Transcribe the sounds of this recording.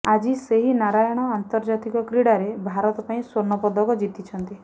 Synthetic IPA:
ad͡ʒiseɦinaɾajɔɽ̃ɔant̪ɔɾd͡ʒat̪ikɔkɾiɽaɾebʱaɾɔt̪ɔpaĩswoɾnɔpɔd̪ʱɔkɔd͡ʒit̪it͡ʃʰɔnt̪i

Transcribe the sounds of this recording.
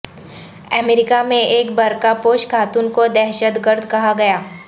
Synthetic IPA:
əmeːɾɪkamẽʔeːkbɐɾkapoːʃkʰaːt̪ʊnkod̪ɛːɦʃət̪ɡəɾd̪ʱkɐɦaɡɐjaː

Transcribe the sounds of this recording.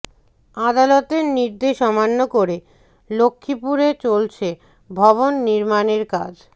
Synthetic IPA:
ad̪alɔt̪eɾniɾd̪eʃɔmanːokoɾe | lokʰːipuɾet͡ɕolt͡ɕʰe | bʱɔβonːiɾmaneɾka̰d͡ʑ

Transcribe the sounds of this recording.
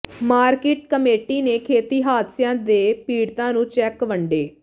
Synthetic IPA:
maːɾkeːʈ̚kəmeːʈiːneːkʰeːt̪iːɦaːt̪sɪjãːd̪eːpiːɽt̪ãːnũːt͡ʃɛːkʋəɳɖeː

